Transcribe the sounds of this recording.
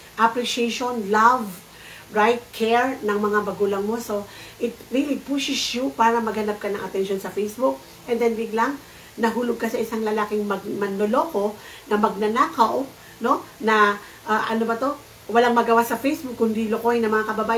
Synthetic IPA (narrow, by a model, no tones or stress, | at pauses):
ʔɐpɾɪʃɛʃonlav | ɹajt̪̚kʰɛɹnɐŋmɐŋabɐɡuːlɐŋmo̞so̞ʔɪt̪̚ɹilipuʃɪsjupaːɾɐmɐɡhɐnap̚kɐnɐ̰ŋʔɐ̰t̪ɛnʃo̞nsɐfejsbuk̚ | ʔɛnd̪ɛnbɪɡlaŋ | nɐɦuːlʊɡ̚kɐsɐʔɪsaŋlɐlaːkɪŋmɐɡ̚mɐnːolo̞ko̞ | nɐmɐɡ̚nɐnaːkɐw | no̞nɐ | ʔaʔɐnobɐt̪o̞ | wɐlaŋmɐɡɐwasɐfejsbʊkːʊnd̪ilokohɪnɐŋmɐŋakɐbɐbaː